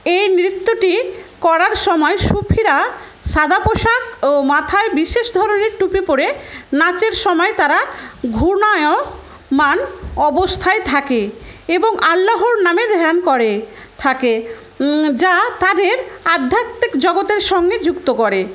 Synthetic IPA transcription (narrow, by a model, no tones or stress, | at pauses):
ejnɾit̪ːoʈikɔɾaɾʃɔmɔeʃupʰiɾa | ʃad̪apoʃakomat̪ʰaebiʃeʃd̪ʱɔɾoneɾʈupipoɾenat͡ɕeɾʃɔmɔet̪aɾaɡʱuɾnajo | manɔbost̪ʰaet̪ʰakeeboŋʔalːaɦoɾnamed̪ʱɛankɔɾe | t̪ʰake | d͡ʑat̪ad̪eɾad̪ʱːat̪ːekd͡ʑɔɡot̪eɾʃɔŋɡed͡ʑukt̪okɔɾe